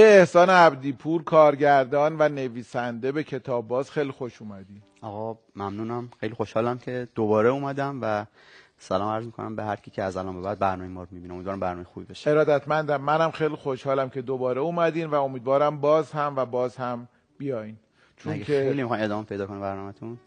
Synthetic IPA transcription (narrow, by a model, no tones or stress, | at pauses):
beːhsɒːneæbd̪iːpʰuɾkʰɒːɾɟæɾd̪ɒːnvæne̞viːsænd̪e̞be̞cʰe̞t̪ʰɒːbːɒːzxejlixoʃuːmæd̪iːn | ɒːɣɒ | mæmnuːnæmxejlixoʃhɒːlæmcʰe̞d̪̥obɒːɾeuːmæd̪æmvæ | sælɒːmæɾzmikʰonæ̰mbehæɾcʰiːcʰeæzælɒːnmbe̞bæd̪̚bæɾnɒːmejmɒːɾomibineomid̪vɒːɾæmbæɾnɔmejxuːbibeʃe̥e̞ɾɒːd̪æt̪mænd̪æmːænhæmxejlixo̞ʃhɒːlæmcʰe̞d̪obɒːɾeuːmæd̪iːnvæo̞miːd̪vɒːɾæmbɒːzhæmvæbɒːzhæm | b̥ijɒːjin | t͡ʃʰoɡkʰeelimixɑjmed̪ɒːmepʰe̞jd̪ɒːkʰonebæɾnɒːmæt̪ʰun